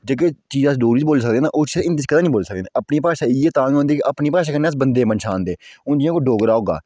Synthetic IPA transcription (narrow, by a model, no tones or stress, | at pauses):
d͡ʒeːk̬eːt͡ʃiːzaːsɖoːɾiːd͡ʒboːlsək̚d̪eːna̰ːʔoːt͡ʃːɪnd̪it͡ʃkəd̪aːnĩːboːlːsək̚deːnaːʔəpniːpaːʃaːɪjeːt̪ãːŋɦõːnd̪iːkɪʔəpniːpaːʃaːkənːeːəs̬bənd̪eːpənʃʰaːnd̪eːʊ̃ːd͡ʒɪjãːkoɖoːɡəɾaːɦoːɡa̰ː